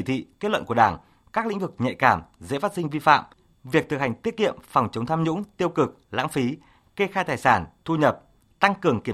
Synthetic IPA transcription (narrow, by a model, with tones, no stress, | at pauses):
i˧˩t̪ʰḭ˧˨ke˦˥t̚wə̰˧˨nku˧˩əɗaː˧˩ŋ | kaː˦˥k̚lḭ˧˥ŋ̟vɨ˨˩k̚ɲɛ̰˧˨kaː˧˩mzḛ˧˥faː˦˥t̚si˧ŋ̟vi˧fa̰ː˧˨m | vi˨˩ək̚t̪ʰɨ˨˩k̚ha˨˩ŋ̟t̪i˦˥ət̚kḭ˧˨əmfɔ˨˩wŋ͡mt͡ɕə˨˦wŋ͡mt̪ʰaː˧mɲʊ̰˧˥ŋ͡mt̪i˧əwkɨ˨˩k̚la̰ː˧˥ŋfi˨˦ | ke˧xaː˧jt̪aː˨˩jsaː˧˩nt̪ʰu˧ɲə˨˩p̚ | t̪a˧ŋkɨ˨˩əŋki˧˩ə˨